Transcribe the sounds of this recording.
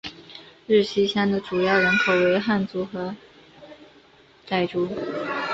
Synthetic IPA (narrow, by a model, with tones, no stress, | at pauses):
ɻ̩˥˩ɕi˥ɕjɑ˥nd̪ə˨˩ʈ͡ʂu˨˩jɑ˥˩ʊɻə˧˥nkʰo˨˩ʊwe˧˥ɪxa˥˩nt͡su˧˥xɤ˧˥ | t͡sa˥˩ɪʈ͡ʂu˥